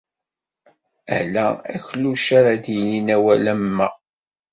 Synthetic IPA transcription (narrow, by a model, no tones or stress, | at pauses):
æhlææ̰çluʃaɾad̪jəninæwælæmmːæ